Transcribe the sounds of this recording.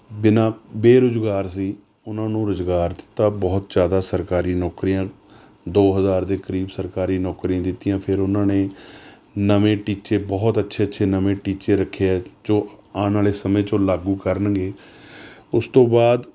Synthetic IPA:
bɪnãːbeːɾʊzɡaːɾsiː | ʊnãːnũːɾʊzɡaːɾd̪ɪ̥t̪ːaːbɔːt̪̚d͡ʒjaːd̪aːsəɾkaːɾiːnɔːkɾijãː | d̪oːɦəzaːɾd̪eːkəɾiːbsəɾkaːɾiːnɔːkɾijãːd̪ɪt̪ːijãːpʰɪɾʊnãːneː | nəʋẽːʈiːt͡ʃeːbɔːt̪ətːʃʰeːtːʃʰeːnəʋẽːʈiːt͡ʃeːɾəkʰːeːɛːt͡ʃõːaːnaːleːsəmẽːt͡ʃõːlaːɡuːkəɾənɡeː | ʊst̪õːbaːd̪

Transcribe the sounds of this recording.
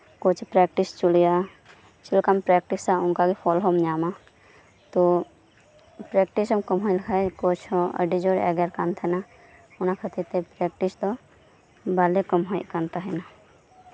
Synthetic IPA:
kot͡ʃʰpɾɛk̚ʈist͡ʃulja | t͡ʃilkampɾɛk̚ʈisaʊnkaɡepʰɔlɦɔmɲama | t̪ɔ | pɾɛk̚ʈisɔmkɔmɦɔjlkʰajkot͡ʃʰɔ̃ə̰ɖid͡ʒɔɾɛ̰ɡaɾkant̪ʰɛna | unakʰət̪it̪epɾɛk̚ʈist̪ɔ | balekəmɦɔjkant̪aɦɛna

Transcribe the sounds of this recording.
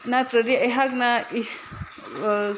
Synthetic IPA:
natɾəɾiajɦak̚nai

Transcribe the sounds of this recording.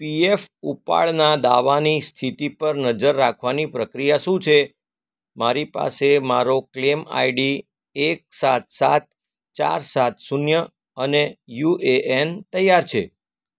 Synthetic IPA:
piefupa̰ɭnad̪aʋanist̪ʰit̪ipəɾnəd͡ʒəɾːakʰʋanipɾəkɾijaʃũt͡ʃʰe | maɾipa̰semaɾoklema̰iɖi | ek̚sat̪sat̪̚ | t͡ʃa̰ɾsat̪sunjə | ənejueʔent̪əjːaɾt͡ʃʰe

